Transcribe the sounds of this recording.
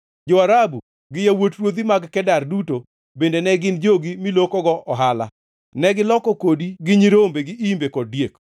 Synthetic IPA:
d͡ʒoaɾabu | ɡɪjawotɾwod̪imaɡkɛdarduto | bendenɛɡɪnd͡ʒoɡimilokɔɡɔʔɔɦala̰ | nɛɡɪlɔkɔkodiɡɪɲiɾombeɡɪimbekɔd̚djek

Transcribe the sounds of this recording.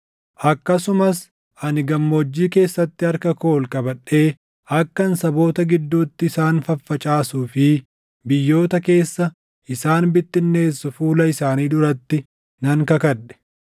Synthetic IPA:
ʔɐkːɐsʊmɐs | ɐnɪɡɐmːo̞ːd͡ʒːiːke̞ːsːɐt̪ːɪɐɾkɐkoːlkʼɐbɐᶑːe̞ː | ɐkːɐnsɐbo̞ːt̪ɐɡɪd̪ːuːt̪ːɪːsaːnfɐfːɐt͡ʃʼaːsuːfɪ | bɪjːo̞ːt̪ɐke̞ːsːɐ | ʔɪsaːnbɪt̪ːɪnːe̞ːsːʊfuːlɐɪsaːniːd̪ʊɾɐt̪ːɪ | nɐŋkɐkɐᶑɛ̥

